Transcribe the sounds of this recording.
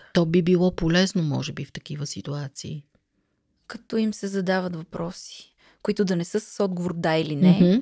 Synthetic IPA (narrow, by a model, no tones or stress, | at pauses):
t̪ɔbibilˠɔpolɛznomɔ̰ʒɛbift̪ɐkivəsit̪uat̪sḭː | kɐt̪ɔimsɛzɐd̪avət̪vɐpɾɔsi̥ | koit̪ʊd̪ɐnɛsɤsə̥sɔd̪̚ɡovoɾd̪ailinɛ